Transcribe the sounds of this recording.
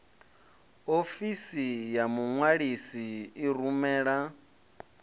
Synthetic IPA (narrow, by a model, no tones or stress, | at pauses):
ofisijamuŋwaɺisiːɾumɛːɺa